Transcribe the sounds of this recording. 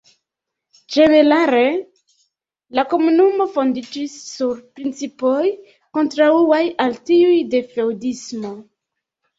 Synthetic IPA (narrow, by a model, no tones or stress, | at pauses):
d͡ʒe̞ne̞ɾaɾe̞ | lako̞munumo̞fo̞ndid͡ʒisːuɾpɾint͡sipoj | ko̞ntɾauajaltiujde̞fewdismo̞